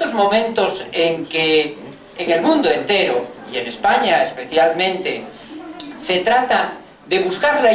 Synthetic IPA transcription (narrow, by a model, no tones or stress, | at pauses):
ozmõ̞mẽnt̪oseŋkeː | ŋelmũnd̪oent̪eɾoienespaɲaespe̞θjalmẽ̞nt̪e | se̞t̪ɾat̪a | ðe̞β̞uskaɾla